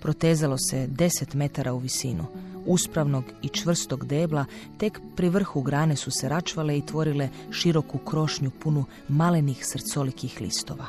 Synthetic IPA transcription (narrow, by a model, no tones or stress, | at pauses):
pɾo̞t̪eːzalo̞se̞d̪e̞set̪me̞t̪aɾʔauʋisiːnṵuspɾaʋno̞ɡit͡ʃʋr̩st̪o̞ɡd̪e̞ːblˠat̪e̞kpɾiʋr̩xuɡɾaːne̞suseɾat͡ʃʋaleit̪ʋo̞ɾile̞ | ʃiɾo̞kukɾo̞ʃɲupunu | malenixsrt̪so̞likixlḭːst̪o̞ʋa